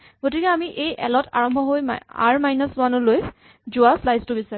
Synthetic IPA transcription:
ɡ̥otikɛamiʔejʔɛ̰lɔtʰa̰ɹɔmbʱɔɦoj̰a̰ɹmajnɔswanɔloj | zuwaslajstʊbisaɹ

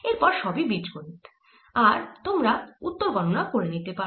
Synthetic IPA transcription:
eɾpɔɾʃɔbibid͡ʑkoɾit̪ | aɾt̪omɾaut̪ːoɾɡʱɔnonakoɾenit̪epa

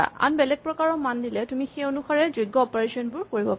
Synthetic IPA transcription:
a̰nbɛlɛɡ̚pɹɔkaɹɔmandilɛtumixeonuxaɹɛzuɡːɔɔpɔɹesɔnbʊɹkoɹibɔ

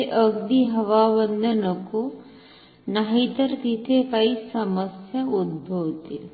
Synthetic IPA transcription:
eʔɐɡd̪iɦɐʋaːʋɐnd̪ʱɐnɐku | naɦit̪ɐɾt̪it̪ʰekɐisɐməsjɐud̪̚bʱɐʋt̪i

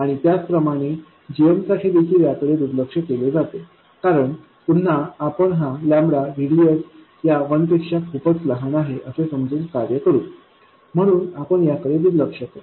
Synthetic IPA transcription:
aɽ̃it̪jat͡spɾəmaɽ̃e | d͡ʑijəmsaʈʰiːd̪ekʰiːljakəɽed̪uɾləkʂəkeled͡zat̪e | kaɾəɳ | pun̤ːaapəɳɦãlãmbɽaʋiɽijət͡s | jaʋənt̪ekʂakʰupət͡sləɦanaɦeʔəsesəmd͡zuːnkaɾjəkəɾuːn | m̤əɽ̃uːnapəɳjakəɽed̪uɾləkʂək̪e

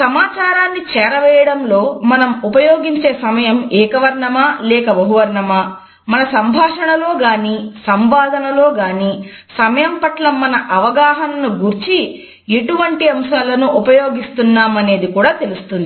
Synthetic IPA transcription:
sɐmaːt͡ʃaːɾaːnːit͡ʃɛːɾɐʋɛːjɐɽɐmlo̞ːmɐnɐmupɐjo̞ːɡiɲt͡ʃe̞ːsɐmɐjɐmɛːkɐʋɐɾɳɐmaːlɛːkɐbɐɦuʋɐɾɳɐmaː | mɐnɐsɐmbʱaːʂɐɳɐloːɡaːniːsɐmʋaːd̪ʱɐnɐlo̞ːɡaːniː | sɐmɐjɐmpɐʈlɐmːɐnɐʔɐʋɐɡaːɦɐnnuɡuɾt͡ʃi | e̞ʈuʋɐɳʈiɐmʃaːlɐnuʔːpɐjo̞ːɡist̪unːaːmɐne̞ːd̪ikuːɽaːt̪e̞lust̪und̪ii

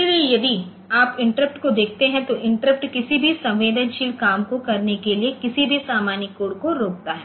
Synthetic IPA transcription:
eliejɐd̪i | aːpɪ̃ɳʈɾəp̚ʈkod̪eːkʰt̪eɦɛ̃t̪oʔɪ̃ɳʈɾəpʈkɪsibʱisɐ̃ʋʋeːd̪ənʃiːlkaːmkokɐɾnekeliekɪsibʱisaːmaːnikoːɽkoɾoːk̚t̪aɦɛː

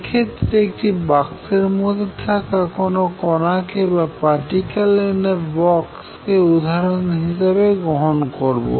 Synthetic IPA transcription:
kʰet̪ːɾek̚ʈibakseɹmod̪ʱet̪ʰakakonokɔnakebapaʈikalenebɔkskeud̪ʱaɹɔnɦis̬abeɡɹɔɦɔnkoɹbo̰

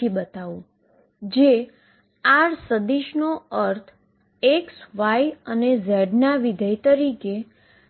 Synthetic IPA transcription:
ibət̪aũ | d͡ʒe | aɾsəd̪iʃnoəɾt̪ʰ | eksʋajənezɛɖnaʋid̪ʱəjt̪əɾike

